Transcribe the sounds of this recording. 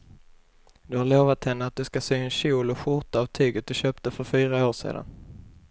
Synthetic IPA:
d̪ɵhaɾɭoːvat̪hɛnːəat̪̚d̪ɵskasyːɛnɕuːlɔɧʊʈ̪aːvt̪ʰyːɡət̪̚d̪ɵɕøːp̚t̪əfœɾfyːɾaoːʂḛːd̪a̰n

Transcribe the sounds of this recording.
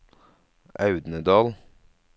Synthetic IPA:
ʔɑʉd̪nəd̪ɑːl

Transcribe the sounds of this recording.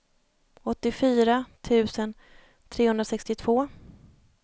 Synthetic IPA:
ɔt̪ːɪfyːɾat̪ʰʉ̟ːsən | t̪ʰɾeːhɵnɾasɛkst̪ɪt̪ʰv̥oː

